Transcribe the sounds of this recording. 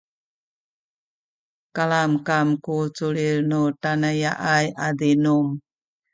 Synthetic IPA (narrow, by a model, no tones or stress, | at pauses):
kalamkamkut͡suɭiɾnutanajaʔajadinum